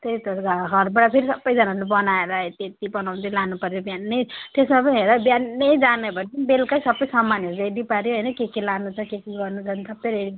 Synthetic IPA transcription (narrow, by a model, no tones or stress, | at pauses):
t̪ejt̪ʌɾɡaɡʱʌɾbaɽapʰeɾisʌbːʌjd͡zʌnaɾlebʌnaeɾat̪et̪ibʌnaw̃nt̪ʌlanupʌɾjobjannʌjt̪esmapʌniɦeɾʌbjannʌjd͡zanʌbʌnpʌnibelkajsʌbʌjsʌmːanʌɾureɽipʌɾjoɦʌjnʌkekilanut͡sʰʌkekiɡʌrnut͡sʰʌnsʌbːʌɾeɽi